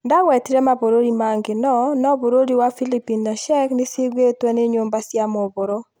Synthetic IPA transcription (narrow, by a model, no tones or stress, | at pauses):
ndawɛtiɾɛmaboɾoɾimaŋɡɪnɔnɔboɾoɾiwafilipinːaʃɛknɪsɪɡetwɛnɪɲombasjamɔboɾo